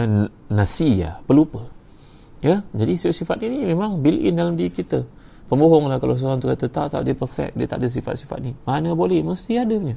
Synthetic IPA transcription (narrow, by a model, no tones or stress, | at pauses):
nasia̰pəlupə | jad͡ʒadisifaʔ̪sifat̪ninimẽmaŋbilʔḭndalamdiikit̪ə | pəmboɦɔŋlahkalaws̬oɾaŋt̪ukat̪ət̪aʔt̪a̰ʔdəpərfɛ̰k̚diət̪a̰ʔdəs̬ifa̰t̪̚sifa̰t̪̚nimanəbolɛhməst̪iadəɲə